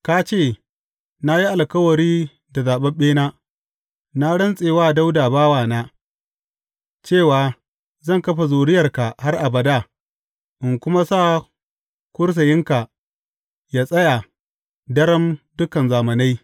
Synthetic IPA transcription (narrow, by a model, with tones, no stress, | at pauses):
ka˦t͡ʃeː˦˨ | na˦ji˦ʔa˨lkɐ˦wɐ˨ɾiː˦ | da˨zaː˨ɓɐ˦mɓeː˦naː˦ | na˦ɽɐ˦nsʼeː˨waː˦da˦wdaː˨baː˦waː˦˨naː˦ | t͡ʃeː˦˨waː˨ | zɐ˦˨ŋkɐ˦ɸa˨zoː˨ɽɪ˦jɐ˨rka˨ha˦rʔa˨bɐ˨daː˦˨ | ʔɪ˨ŋkʷʊ˦ma˦saː˦˨ | kʷʊ˦ɽs̬ɐ˨jɪ˦ŋka˨ | ja˦sʼɐ˦ja˨ | dɐ˦ɾɐ˦mdʊ˦kɐ˨nzaː˨mɐ˨na˦j